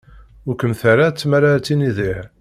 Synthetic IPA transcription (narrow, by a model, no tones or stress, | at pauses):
ʊɾkəmθaɾat͡sːmaɾat͡sːiniðih